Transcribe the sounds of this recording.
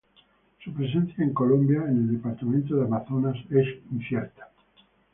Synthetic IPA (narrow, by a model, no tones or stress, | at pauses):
supɾes̬ẽnθjaeŋkolõmbjaeneld̪epaɾt̪amẽnt̪̬oðeamaθonasesinsjeɾt̪ḁ